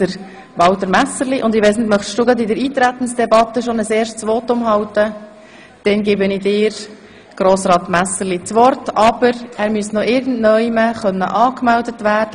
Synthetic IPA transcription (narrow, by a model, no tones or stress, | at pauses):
d̥əɾ | ʋɑwt̪əɾmæsəliʔʊndɪʋɛɪsnɪd̪mœχd̥uːɡɾɑd̪ɪdəɾiːt̪ɾæt̪ən̩sd̥ɛbɑt̪əʃonəseːɾʃtsʋɔːtʊmɦɑwt̪ə | d̥ɛnɡɪbənɪdɪːɾ | ɡ̥ɾoːsɾɑːt̪mæsəɾlit͡sʋɔrtɑb̥əɾæːɾmyəsnɔʔɪɾɡən̩dnœʏjməχœnːə̰ʔɑːkmældətʋæːɾd̥ə